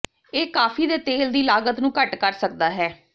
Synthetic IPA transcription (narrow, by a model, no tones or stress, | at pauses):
eːkaːpʰiːd̪eːt̪eːld̪iːlaːɡət̪nũːkəʈkəɾsək̚d̪aːɦɛː